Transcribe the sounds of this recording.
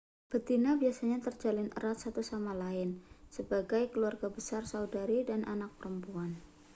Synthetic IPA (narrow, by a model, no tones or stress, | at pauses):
b̥ət̪inabiasaɲat̪ərd͡ʒalɪnə̰ɾat̪̚sat̪usamalaɪnsəbaɡajkəluarɡabəsarsaudaɾidanʔa̰nak̚pəɾəmpuan